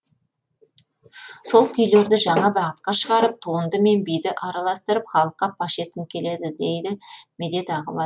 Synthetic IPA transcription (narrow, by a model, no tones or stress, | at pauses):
so̞lˠkʲʰʏjle̞ɾd̪ɪʒɑɴɑbɑʁət̪̚qɑʃəʁɑɾəp̚t̪ʰuənd̪əme̞nbijd̪ɪʔɑɾɑlˠɑst̪əɾəpχɑlˠəqːɑpʰɑʃe̞t̪ɪnkʲʰe̞le̞d̪ɪd̪e̞jd̪ɪmed̪e̞t̪ɑʁəbɑ